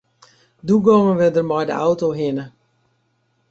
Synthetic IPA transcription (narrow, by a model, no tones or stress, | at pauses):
duɡoːməʋɪdərmɔjdə̰awtoɦɪnə